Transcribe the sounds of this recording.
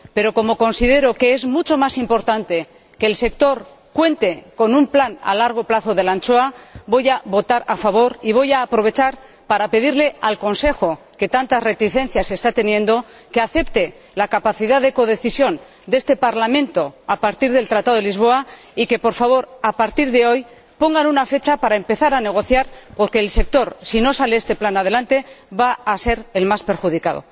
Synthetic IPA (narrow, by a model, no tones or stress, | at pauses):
pe̞ɾo̞ko̞mo̞ko̞nsiðe̞ɾo̞ke̞e̞zmut͡ʃo̞masimpo̞ɾt̪ant̪e̞ | keːlse̞k̚t̪o̞ɾ | kwe̞nt̪e̞ko̞numplana̰laɾɣ̞o̞plaθo̞ðe̞lant͡ʃo̞abo̞jaβo̞t̪aɾafaβ̞o̞ɾiβ̞o̞jaːpɾo̞β̞e̞t͡ʃaɾ | paɾape̞ðiɾle̞alko̞nse̞xo̞ | ke̞t̪ant̪are̞t̪iθẽ̞nθjase̞st̪at̪e̞njẽ̞nd̪o̞ | ke̞aθe̞pt̪e̞ | lakapaθiðaðe̞ko̞ð̞e̞θisjo̞n | d̪e̞st̪e̞paɾlamẽ̞nt̪o̞apaɾt̪iɾðe̞lt̪ɾat̪aðo̞elizβ̞o̞a | ike̞po̞ɾfaβ̞o̞ɾapaɾt̪iɾðe̞o̞j | po̞ŋɡanunafe̞t͡ʃapaɾae̞mpe̞θaɾane̞ɣ̞o̞θjaɾpo̞ɾke̞ːlse̞k̚t̪o̞ɾsino̞saleest̪e̞planað̞e̞lant̪e̞βaːse̞ɾe̞lmaspe̞ɾxuð̞ikaðo̞̰